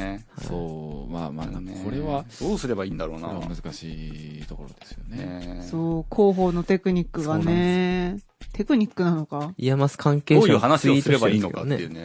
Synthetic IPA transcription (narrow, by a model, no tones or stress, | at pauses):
eha̰oːma̰ːma̰ːnãnko̞ɾe̞βad̥̪oːsɨɾe̞baiːnd̪aɾo̞̰ːna̰ea̰mɯ̟zɨkaɕiːt̪o̞ko̞ɾo̞d̪e̞sɨjonḛsoːkʰo̞ːɦo̞ːno̞t̪e̞kɯ̟ɲ̟ikːɯ̟ɡane | t̪e̞kɯ̟ɲ̟ikːɯnano̞kaijamasɨ̥kʰãŋke̞ːoːjoɯːhanaɕioisɨoɾebaiːno̰kaonḛe̟ːne